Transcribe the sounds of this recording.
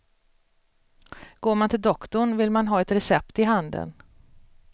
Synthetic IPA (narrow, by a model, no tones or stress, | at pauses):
ɡ̥oːɾmant̪ʰɪld̪ɔkt̪ʊɳvɪlmanɦɑːɛt̪ɾɛsɛpt̪ɪɦand̪ə̰n